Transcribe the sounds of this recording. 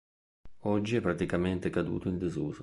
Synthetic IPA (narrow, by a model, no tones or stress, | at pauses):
ɔd͡ʒːiɛpːɾat̪ikament̪ekad̪ṵːt̪oind̪ezuːzo